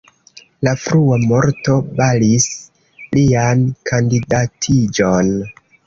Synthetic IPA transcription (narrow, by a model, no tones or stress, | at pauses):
lafɾuamo̞ɾto̞balis | liankʰandidatʰid͡ʒo̞n